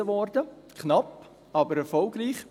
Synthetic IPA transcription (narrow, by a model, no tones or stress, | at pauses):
əʋɔɾdə | kʰnɑp | ɑːbəɾɛɾfɔlɡɾiːχ